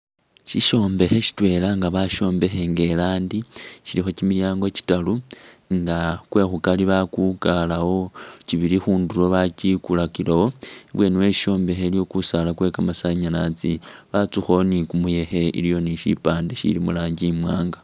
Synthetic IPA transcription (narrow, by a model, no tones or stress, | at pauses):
ʃiʃo̞ːmbe̞xe̞ʃi̥twe̞ːlaŋɡaβaʃo̞ːmbe̞xe̞ŋɡe̞laːndiʃilixo̞cimiljaːŋɡo̞ci̥talu | ŋɡakwe̞xukaliβakukalawo̞ciβiɾixuːndulo̞βacikulakilowo̞βwe̞ːniwe̞ʃi̥ʃo̞ːmbe̞xe̞ljo̞kusalakwe̞kamasaɲalat͡siβat͡suxo̞nikumuje̞xe̞ḭlijo̞niʃḭpaːndeʃḭlimulaːɲɟimwaːŋɡa